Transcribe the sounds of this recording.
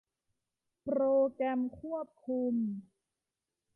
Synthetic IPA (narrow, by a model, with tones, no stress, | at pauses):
pɾoː˧kɾɛ˧mkʰu˥˩əp̚kʰu˧m